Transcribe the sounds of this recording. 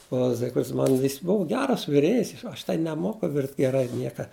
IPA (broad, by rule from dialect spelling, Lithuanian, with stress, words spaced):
oː ˈzʲɪkfʲrʲɪts ˈmɐn ˈjɪs ˈbʊʋʊ ˈɡʲæːrɐs ʋʲɪˈrʲeːjɪs ˈɐʃ tɐɪ nʲɛˈmoːkʊ ˈʋʲɪrʲtʲ ɡʲɛˈrɐɪ ˈnʲiɛkɐ